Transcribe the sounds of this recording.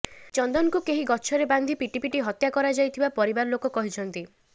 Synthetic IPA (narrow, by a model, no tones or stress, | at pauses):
t͡ʃɔnd̪ɔnkukeɦiɡɔt͡ʃʰɔɾeband̪ʱipiʈipiʈiɦɔt̪jakɔɾad͡ʒajt̪ʰibapɔɾibaɾɔlokokɔɦit͡ʃʰɔnt̪i